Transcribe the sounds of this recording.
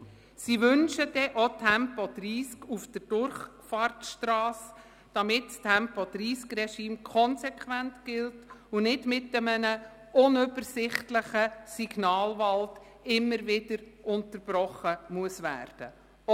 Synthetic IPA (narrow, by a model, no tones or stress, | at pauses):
siʋʏnʃəd̥ɛʔotʰɛmpɔd̥riːskufd̥əɾd̥ʊɾχfɑɾtʃtrɑːs | d̥ɑmɪtstʰɛmpɔd̥ɾiːskrɛʃiːmkʰɔnsɛkχʋæntɡ̥ɪltʊnɪdmɪtːəmənə | ʊnʏbəɾsɪχtləχəsiɡ̥nɑːlvɑlt | ɪmːəɾvɪdəɾʔʊntəɾb̥ɾɔχəmuəsvæ̰ːɾd̥ə